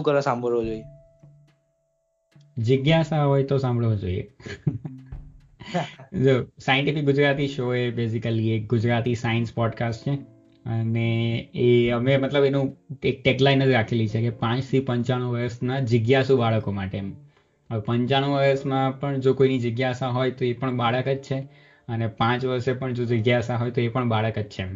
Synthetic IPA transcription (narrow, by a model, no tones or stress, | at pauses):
ũkəɾasãmbʱəɭʋod͡ʒoie | d͡ʒəɡjasaɦojt̪osãmbʱəɭʋod͡ʒo̰ḭḛ | d͡ʒosajə̃ɳʈifɪk̚ɡʊd͡ʒɾat̪iʃoebesikəliek̚ɡʊd͡ʒɾat̪isaənspɔɖkasʈt͡ʃʰe | əneeəmemət̪ləbenũek̚ʈeklajnːəd͡ʒɾakʰelit͡ʃʰekepãt͡ʃt̪ʰipə̃ɲt͡ʃaɽ̃ũʋəɾəsnad͡ʒəɡjasubaɭəkomaʈem | əepəɲt͡ʃaɽ̃ũʋəɾəsmãpəɳd͡ʒokoinid͡ʒəɡjaəsãɦojt̪oepəɳbaɭəkəd͡ʒt͡ʃʰe | ənepãt͡ʃʋəɾʃepəɳd͡ʒod͡ʒəɡjaəsãɦojt̪oepəɳbaɭəkət͡ʃt͡ʃʰe